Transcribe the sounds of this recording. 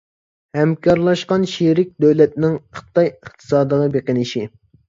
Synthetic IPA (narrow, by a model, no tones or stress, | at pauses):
hɛmkʰɑɾlˠɑʃqɑnʃiɾɪk̚ʲd̪øwlɛt̪nɪŋχɨ̥t̪ɑjəχt̪ʰɨ̥sɑːd̪d̪əʁɑbeqənɪʃi